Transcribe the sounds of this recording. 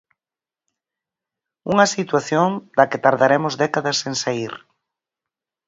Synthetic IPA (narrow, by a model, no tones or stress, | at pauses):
uŋɐsit̪waθjond̪ɐkɪt̪aɾðaɾemʊzd̪ɛkaðɐseŋsaiɾ